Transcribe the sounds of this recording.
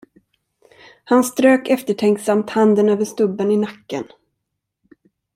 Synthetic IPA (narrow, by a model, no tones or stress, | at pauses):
hanst̪ɾøːkɛft̪əʈʰɛŋksamt̪hand̪ənøːvəʂt̪ɵbːənɪnakːə̰n